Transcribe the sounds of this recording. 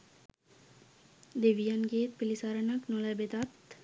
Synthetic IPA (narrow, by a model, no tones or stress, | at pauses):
d̪eʋijanɡeːt̪̚pilisaɾənaknolæbed̪at̪